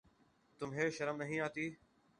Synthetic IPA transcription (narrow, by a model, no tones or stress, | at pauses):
t̪ʊmɦeːʃəɾəmnəɦĩːaːt̪iː